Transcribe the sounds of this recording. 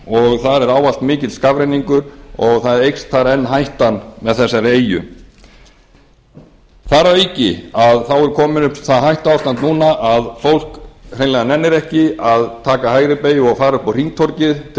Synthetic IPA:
ɔɣθaɾɛɾaːwalt̪mɪːcɪðlskavɾejniŋkʏɾɔɣθaðɾejkst̪θaɾɛnːɦajht̪anmɛðθɛsːaɾeːjʏ̰ | θaɾaecɪ̰aðθawɛɾ̥kʰɔːmɪnʏpθaɦajht̪aawst̪ant̪nuːnaʔaðfowl̥krejnlajðanɛnːɪɾɛhcɪaðt̪ʰaːkahaːjɾɪpeːjɔɣfaːɾaʏhpɔr̥iŋt̪ʰɔɾcɪðʰ

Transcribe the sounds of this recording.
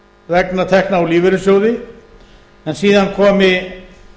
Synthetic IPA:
vɛknat̪ʰɛhknaɔwliːvɪɾʏsjowðɪ | ɛnsiːðankʰɔːmɪ

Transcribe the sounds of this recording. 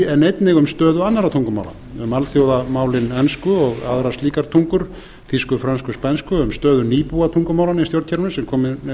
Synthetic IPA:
ɛnːejt̪nɪɣʏmst̪œːðʏanːaɾat̪ʰuŋkʏma̰ːwla̰ | ʏmalθjowðamaːwlɪnɛnskʏɔɣaðɾast̪liːkaɾ̥t̪ʰuŋkʏɾ̥ | θiskʏfɾanskʏspɛnskʏʏmst̪œːðʏniːpuat̪ʰuŋkʏmaːwlanist̪joɾ̥cʰɛɾʏnɪsɛmkʰɔːmɪ

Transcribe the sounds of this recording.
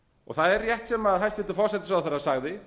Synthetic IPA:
ɔ̰ɣθaðɛɾːjɛht̪sɛmaðhajst̪ɪht̪ɪfɔrsɛt̪ɪ̥sawθaɾasaɣðɪ

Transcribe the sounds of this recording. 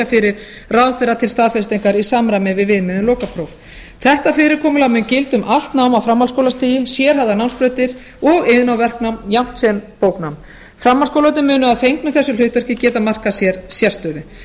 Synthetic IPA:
afɪɾɪɾ̥ | rawðfɛɾat̪ʰɪlst̪aːðfɛɾst̪ejŋkaɾisamɾajmɪvɪðvɪðmɪðʏmlɔːwkapʰɾowv | θɛht̪afɪːɾɪɾkʰɔːmʏlawmɪncɪlt̪ʏmʔal̥t̪nawmawfɾamːalskowlast̪iːjɪsjɛɾ̥ɦavðanawnspɾœːɥt̪ɪɾ̥ | ɔɣɪðɪnawvɛr̥knawmjam̥t̪sɛnpowknawm | fɾamːalskowlœt̪ɪmʏːnʏaðfejŋknʏθɛsːʏl̥ʏht̪vœr̥cɪcɛːt̪amar̥kasjɛɾsjɛst̪œːðʏ

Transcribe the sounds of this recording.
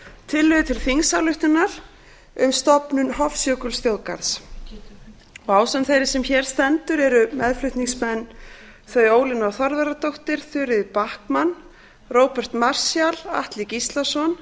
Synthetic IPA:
t̪ʰɪlːʏðʏt̪ʰɪlfiŋsawlʏht̪ɪnaɾ̥ | ʏmst̪ɔpnʏnɦɔfsjœːkʏlsfjowðka̰ɾs | ɔɣaːwsanθejɾɪsɛmçɛɾ̥st̪ɛnt̪ʏɾɛɾʏmɛðflʏht̪niŋsmɛnː | θœɥjoːwlɪnawθɔɾðaɾat̪owht̪ɪɾ̥θʏɾɪðpahkman | roːwpɛr̥t̪mar̥sjala̰ht̪licist̪lasɔn

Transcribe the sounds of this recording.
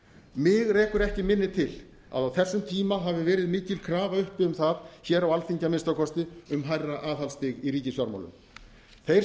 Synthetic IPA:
mɪɣreːjkʏɾɛhcɪmɪnːɪt̪ʰɪl | a̰ðawθɛsːʏmt̪ʰiːmaɦavɪvɛːɾɪðmɪːcɪlkʰɾaːvaʏhpɪʏmθaðçɛːɾawalθiɲcamɪnst̪awkʰɔst̪ɪʏmɦajrːaʔaːðhalst̪ɪɣirɾiːcɪsjaɾma̰wlʏ̰m | θej

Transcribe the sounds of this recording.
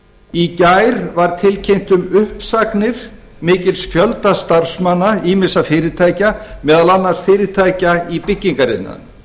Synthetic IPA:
icajɾvaɾt̪ʰɪlcʰejm̥t̪ʏmʏhpsaknɪɾ̥ | mɪːcɪlsfjœlt̪ast̪ar̥smanːaiːmɪsafɪːɾɪt̪ʰaːjcamɛːðalanːarst̪fɪːɾɪt̪ʰaːjcaipɪcːiŋkaɾɪ̰nːa̰

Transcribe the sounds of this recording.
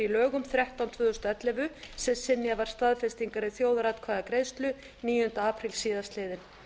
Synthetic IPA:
ilœːɣʏmθɾjaht̪awnt̪ʰvʏːðʏst̪aɛt̪lɛvʏsɛsɪnːjavaɾ̥st̪aðfɛst̪iŋkaɾɪθjowðaɾaːt̪kʰvaːðakɾejst̪lʏ | niːjʏnt̪aaːpʰɾilsiːðast̪leːjðɪn

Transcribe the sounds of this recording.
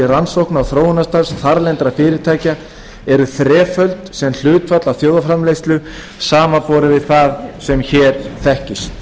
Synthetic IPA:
ɪransowhknawθɾoːwʏnast̪aɾr̥sθaɾlɛnt̪ɾafɪːɾɪɾ̥t̪ʰaːjca | ɛɾʏθɾɛːfœlt̪sɛml̥ʏːt̪fat̪lawθjoːwðafɾamlejst̪lʏ | saːmapɔːɾʏvɪðθaðsɛmçɛːɾθɛhcɪst̪

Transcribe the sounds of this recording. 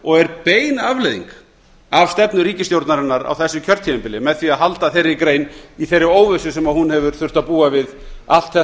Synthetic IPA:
ɔɣɛɾpeːjnavlejðḭŋk | avst̪ɛpnʏɾiːcɪst̪jowɾt̪naɾɪnːaɾa̰wθɛsːʏcʰœɾ̥t̪ʰiɪmpɪlɪmɛðθviaðɦalt̪aθejɾːɪkɾeːjniθejrːɪoːwvʏsʏsɛmaðhunhɛvʏɾ̥θʏr̥t̪aðpuːavɪð | al̥t̪θɛ

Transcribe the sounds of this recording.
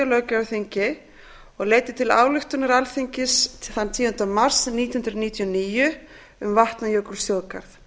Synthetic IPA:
alœːcaθiɲcɪ | ɔɣleːjt̪ɪt̪ʰɪla̰ːwlʏxt̪ʏnaɾalθiɲcɪsθanːt̪ʰiːjʏnt̪amar̥sniːt̪inh̪ʏnt̪ɾaniːt̪ʰjɔniːjʏ | ʏmvaht̪najœwkʏɾ̥sjoːwðkʰa̰ɾθ

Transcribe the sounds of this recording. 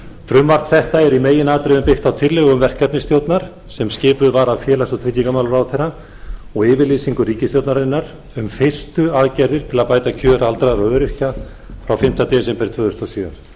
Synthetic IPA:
fɾʏmvar̥t̪θɛht̪aɛɾimeːjɪnaːt̪ɾɪðʏmpɪxt̪awt̪ʰɪɾlɛɣʏmvɛr̥kapnɪst̪jowt̪naɾ̥ | sɛmscɪːpʏvaːɾafjɛːlasɔt̪ʰɾɪc̪ːiŋkamaːlʏɾawθɛra | ɔɣɪːvɪliːsiŋkʏɾiːcɪst̪jowt̪naɾɪnːaɾ̥ | ʏmfɪ̥st̪ʏaðcɛɾðɪɾ̥t̪ʰɪlaðpaːjt̪acʰœːɾaalt̪ɾaɾawœːɾʏhca | fɾawfɪm̥t̪at̪ɛːsɛmpɛɾt̪ʰvœːðʏst̪ɔsjœ

